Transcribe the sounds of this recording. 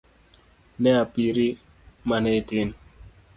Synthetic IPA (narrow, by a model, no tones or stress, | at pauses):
nɛapiɾi | manɛtin